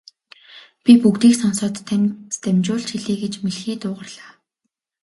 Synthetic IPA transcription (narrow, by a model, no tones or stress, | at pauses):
pʲipukt̪iːksɔnsɔːt̪ʰːæmt̪ʰæmt͡ɕʊːɮt͡ɕxiɮiːɡet͡ɕmeɮxiːt̪ʊːʁə̆rɮ̥aː